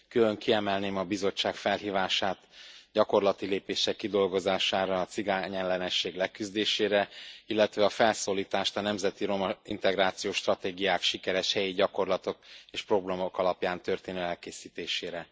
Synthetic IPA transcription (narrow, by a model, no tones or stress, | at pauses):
kyløŋkiɛmɛlneːmɒbizo̞t͡ʃːaːkfɛlɦiːvaːʃaːt̪ɟɒko̞rlɒt̪ileːpeːʃɛkːid̪o̞lɡo̞zaːʃaːɾɒːt̪siɡaːɲɛnlɛnɛʃːeːɡlɛkyzd̪eːʃeːɾɛilːɛt̪ʋɛɒfɛlsoːliːt̪aːʃt̪ɒnɛmzɛt̪iɾo̞mɒḭnt̪ɛɡɾaːt̪sijoːʃt̪rɒt̪eːɡijaːkʃikɛɾɛʃhɛjiɟɒko̞rlɒt̪o̞k̚eːʃpro̞brɒmo̞kɒlɒpjaːnt̪ø̞rt̪eːnøːɛlkeːsiːt̪eːʃeːɾɛ